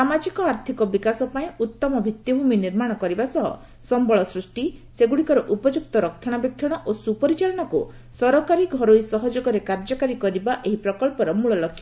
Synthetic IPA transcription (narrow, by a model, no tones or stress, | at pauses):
amad͡ʒikɔaɾt̪ʰikɔbikasɔpaĩut̪ːɔmɔbʱit̪jɔbʱuminiɾmaɽ̃ɔkɔɾibasɔɦɔ̰ | sɔmbɔɭɔsɾusʈiseɡuɽikɔɾɔʔupɔd͡ʒuk̚t̪ɔɾɔk̚t̪ʰːɔɽ̃abjɔk̚t̪ʰɔɽ̃ɔʔosupɔɾit͡ʃalɔɽ̃ɔkṵ | sɔɾɔkaɾiɡʱɔɾojsɔɦɔd͡ʒoɡɔɾekaɾd͡ʒɔkaɾikɔɾibaʔeɦipɾɔkɔɭpɔɾɔmuɭɔlɔkʰːja